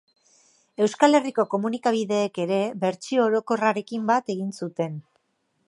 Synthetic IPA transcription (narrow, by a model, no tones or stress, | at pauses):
e̞wskale̞riko̞ko̞munikaβ̞iðe̞ːke̞ɾe̞βe̞ɾt͡sio̞ːɾo̞ko̞raɾe̞kimbat̪e̞ɣ̞insut̪e̞n